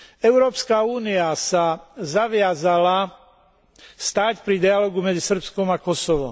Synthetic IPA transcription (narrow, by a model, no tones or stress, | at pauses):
ɛʊɾɔːpskaːuːniasazaʋɪazala | st̪aːcpɾid̪ialɔːɡumɛd͡zisr̩pskɔmakɔsɔʋɔ̰m